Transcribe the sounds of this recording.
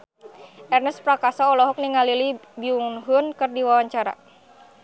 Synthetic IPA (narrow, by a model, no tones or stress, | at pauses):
ʔɛrnɛspɾakasaɔlɔɦɔk̚niŋalilibiuŋnɦʊnkɨrdiwawaɲt͡ʃaɾa̰